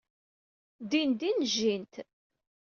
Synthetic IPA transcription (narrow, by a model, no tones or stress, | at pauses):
d̪ind̪inʒint̪